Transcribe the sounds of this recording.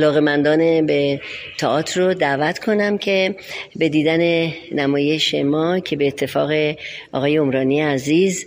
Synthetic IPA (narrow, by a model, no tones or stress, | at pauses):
ælɒːɣe̞mænd̪ɒːnebet̪ʰɒʔɒːt̪ʰrod̪ævæt̪kʰo̞næmcʰe̞be̞d̪iːd̪æne̞næmɒːje̞ʃe̞mɒːcʰe̞be̞ːt̪ʰːe̞fɒːɣe̞ʔɒ̰ːɣɒːje̞omɾɒːnieæziːz